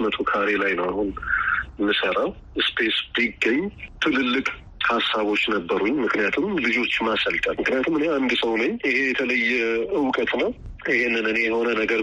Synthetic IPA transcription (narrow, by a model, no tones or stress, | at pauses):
mət̪ʰokʰaɾe̞lajnəwahun | mɨsəɾaw | ɨspʰe̞sbiɡːəɲːt̪ʰɨlɨlːɨkʼ | hasːaβo̞t͡ʃːnəbːəɾuɲːmɨknijat̪ʰumlɨd͡ʒo̞t͡ʃːmasəlt̪ʼalmɨknijat̪ʰumɨne̞and̪səwnəɲɪɦe̞jɛt̪ʰələjːɛɨwkʼət̪ʼnəw | ɪɦenːɨnɨnjɛho̞nənəɡəɾ